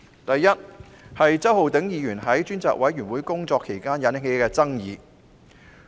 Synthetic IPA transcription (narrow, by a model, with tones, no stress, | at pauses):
t̪ɐ˨jːɐ˥t̚ | hɐ˨jt͡sɐ˥who˨˧wt̪ɪ˨˥ŋjiː˨˧jyː˨˩nɦɐ˨˥jt͡ʃyː˥nt͡sa̰ː˧k̚wʔɐ˨˥jɥyː˨˩nwuː˨˥jkʊ˥ŋt͡sɔː˧kʰːe˨˩jkaː˥njɐ˨˧nɪ˨˩ŋe˨˧˥kɛː˧t͡sɐ˥ŋjiː˨˧